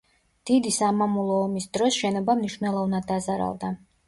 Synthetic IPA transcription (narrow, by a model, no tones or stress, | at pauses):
d̪̥id̪isamamulˠɔːmisd̪ɾɔsʃɛnɔbamniʃnɛlˠɔvnad̪ːazaɾa̰lˠd̪a